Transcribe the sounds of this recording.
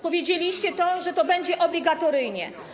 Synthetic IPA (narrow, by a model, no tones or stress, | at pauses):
pɔvʲjed͡ʑelʲiɕt͡ɕɛt̪ɔʐɛt̪ɔbɛɲd͡ʑɛʔɔblʲiɡat̪ɔɾɘjɲɛ̰